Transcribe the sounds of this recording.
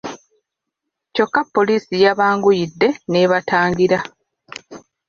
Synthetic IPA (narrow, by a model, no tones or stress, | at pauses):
co̞kːapːo̞liːsijaβaːŋɡujidːe̞ne̞ːβataːŋɡiɾa